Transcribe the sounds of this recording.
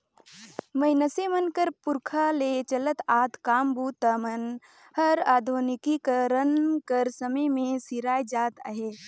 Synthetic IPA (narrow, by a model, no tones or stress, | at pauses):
məɪnəsemənkəɾpʊɾkʰaleːt͡ʃələt̪aːt̪kaːmbuːt̪əmən | həɾaːd̪ʱunɪkikəɾənkəɾsəməjmẽsiɾaːjd͡ʒaːt̪ə̰ɦeː